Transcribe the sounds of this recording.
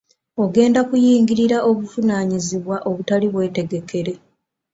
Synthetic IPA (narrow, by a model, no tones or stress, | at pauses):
o̞ɡe̞ːndakujiːŋɡiɾiɾaʔo̞βuvunaːɲiziβwaʔo̞βutaliβwe̞ːte̞ɡe̞ke̞ɾe̞